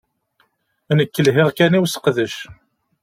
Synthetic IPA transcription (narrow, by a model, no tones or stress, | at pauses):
ænəkːəlɦɪʁkæniwsə̥qðəʃ